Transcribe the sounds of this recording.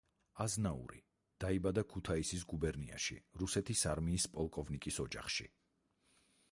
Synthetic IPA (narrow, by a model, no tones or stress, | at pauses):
aznaṵɾḭ | d̪̥aibad̪akʰut̪ʰaisis̬ɡubɛɾnia̰ʃḭɾusɛt̪ʰisaɾmiːspʼɔlˠkʼɔvnikʼisɔd͡ʒaχʃḭ